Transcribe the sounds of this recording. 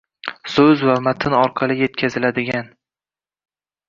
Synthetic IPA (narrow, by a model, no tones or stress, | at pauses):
sɵzvamat̪ʰɪnɒɾqʰɑlˠɪje̞t̪kʲʰazɪlad̪ɪɡʲan